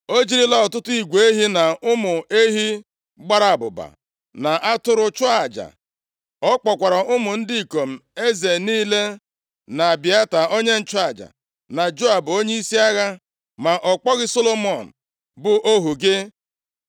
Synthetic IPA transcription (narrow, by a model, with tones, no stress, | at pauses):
o˦d͡ʒi˦ɾi˦la˦ɔ˨tʊ˦tʊ˦i˨ɡʷe˨e˦ɦi˦na˨ʊ˦mʊ˨e˦ɦi˦ | ɡ͡ba˦ɾa˨a˨bʊ̰˨ba̰˨ | na˨ʔa˦tʊ˦ɾʊ˦t͡ʃʊ˦a˨d͡ʒa̰˨ | ɔ˦k͡pɔ˨kʷa˨ɾa˨ʊ˦mʊ˨n̩˦dɪ˦i˨ko˨m̩˨e˦ze˨niː˦le˦ | na˨bɪ˨a˦ta˨o˦ɲe˦n̩˦t͡ʃʊ˦a˨d͡ʒa̰˨ | na˨d͡ʒo˦a˨bo˦ɲe˦i˦si˦a˦ɣa˦ | ma˨ʔɔ˨k͡pɔ˦ɣɪ˦so˦lo˦m˦ɔ˨n̩˨ | bʊ˨ʔo˦ɦu˨ɡɪ˦